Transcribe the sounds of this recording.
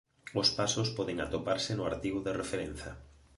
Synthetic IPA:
ospasospɔðeŋat̪opaɾsɪnʊaɾt̪iɣʊðerefeɾen̟θɐ̰

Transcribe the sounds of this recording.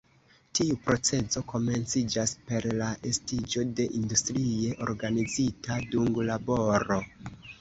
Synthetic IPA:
tiupɾo̞t͡se̞zo̞ko̞me̞nt͡sid͡ʒaspe̞ɾlaʔe̞stid͡ʒo̞de̞ʔindustɾie̞ʔo̞̰ɾɡanid͡zitʰaduŋɡlabo̞ɾo̞

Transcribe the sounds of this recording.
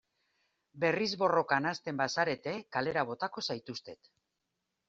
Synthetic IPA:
be̞rizβo̞ro̞kanast̪e̞mbasaɾe̞t̪e̞kale̞ɾaβ̞o̞t̪ako̞sajt̪ust̪e̞t̪

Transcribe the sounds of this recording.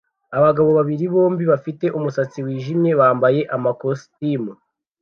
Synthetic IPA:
aβaɡaβo̞βaβiɾiβo̞ːmbiβafite̞ʔumusat͡siwiːʒimɲe̞βaːmbaje̞ʔamakostimu

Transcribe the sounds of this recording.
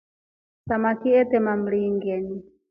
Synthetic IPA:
samakiɛt̪ɛmam̩liŋɡɛni

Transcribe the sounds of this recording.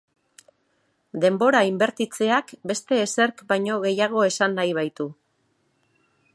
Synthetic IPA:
d̪e̞mbo̞ɾaimbe̞ɾt̪it͡se̞akbe̞st̪e̞ːse̞ɾkbajɲo̞ɣe̞jaɣ̞o̞e̞sanːajβ̞ajt̪u

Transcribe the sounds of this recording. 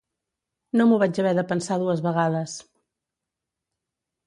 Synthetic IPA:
nomuβad͡ʒəβɛðəpənsaðuəzβəɣaðəs

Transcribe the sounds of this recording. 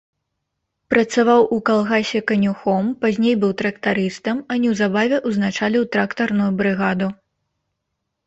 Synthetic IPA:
pɾɐt̪savawʔukalˠɣasʲɛkɐnʲuxɔmpazʲnʲejbɨwt̪ɾɐkt̪aɾɨst̪ɐmɐnʲiwzabavʲɛʔuznat͡ʂalʲiwt̪ɾakt̪ɐrnujubɾɨɣad̪u

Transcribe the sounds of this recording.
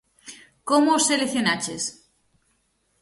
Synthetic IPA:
komooseleθjonat͡ʃes

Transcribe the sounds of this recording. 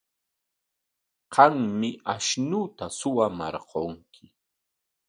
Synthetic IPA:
qɑŋmɪʔaʃnʊt̪asʊwamɑ̰ɾqoŋkʰɪ

